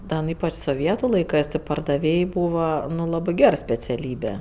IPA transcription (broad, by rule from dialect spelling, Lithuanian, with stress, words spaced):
ˈdɐ nʊ ˈiːpɐt͡ʃ soːˈʋʲiɛtʊ lˠɐɪˈkɜs tʲɪ pɐrdɐˈʋʲeːj ˈbuːʋɐ nʊ ˈlˠɑːbɜ ˈɡʲɛr sʲpʲɛt͡sʲɛˈlʲiːbʲɛ